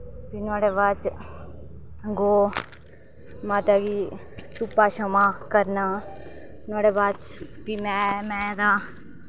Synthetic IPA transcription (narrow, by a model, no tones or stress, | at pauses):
pinaːɽeːbaːt͡ʃ | ɡoː | maːt̪aɡiː | t̪ʊpːaːʃəmaːkəɾnaː | nʊaːɽeːbaːt͡ʃpiːmɛ̃ːmɛ̃ːd̪aː